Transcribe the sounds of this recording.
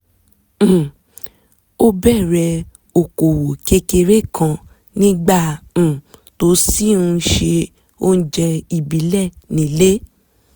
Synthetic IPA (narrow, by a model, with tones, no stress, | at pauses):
o˦bɛ˦˨ɾɛ˧ | o˨ko˨wo˨ke˧ke˧ɾe˦˨kʰã˧ | nĩ˦ɡ͡bã˦˨ | to˨˦si˦˨ũ˧˦ʃe˧ | o˦n̩˦d͡ʒɛ˧i˨bi˨˦lɛ˦˨nĩ˨˦le˦